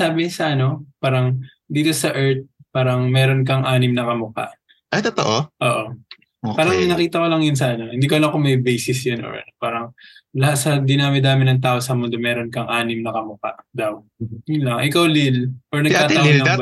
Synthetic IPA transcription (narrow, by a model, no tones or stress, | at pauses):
aːbɪsɐʔɐno̞paːɾɐŋ | d̪iːt̪o̞sɐʔɛɹt̪̚paːɾɐŋmɛːɾonkɐŋʔaːnɪmnɐkɐmʊka̰ʔ | ʔɐjt̪ot̪oʔoʔoːʔo̞ | paːɾɐŋmnɐkiːt̪ɐko̞lɐŋjʊns̬ɐʔɐnohɪnd̪iːkɐlɐkomɐjbejsɪsjonʔo̰ɹɐpaːɾɐŋlɐhat̪̚sɐd̪ɪnaːmɪd̪aːmɪnɐŋt̪aːʔosɐmʊnd̪o̞mɛːɾonkɐŋʔaːnɪmnɐkɐmʊka̰ʔd̪ɐw | jʊnlɐŋʔɪkawlɪlʔoɹnɐɡk̪aːt̪ɐwaɐ